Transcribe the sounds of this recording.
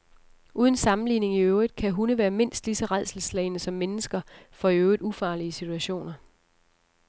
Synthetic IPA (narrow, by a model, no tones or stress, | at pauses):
ʔuːð̞ˠənsɑ̈mn̩liːne̝ŋiøʊid̥ˠkʰæɦunəʋæːɐme̝n̰sd̥lisɒ̽ʁaðˠsl̩slɛɪnəsɒ̽mːenəsɡ̥ɐfɒ̽iøʊid̥ˠufɑ̈ːliəsit͡sʰuæɕo̝̰ːnɐ